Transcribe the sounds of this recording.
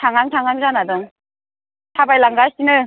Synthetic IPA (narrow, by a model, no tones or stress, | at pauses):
tʰaŋaŋtʰaŋaŋzanadɯŋ | tʰabajlaŋɡasinɯ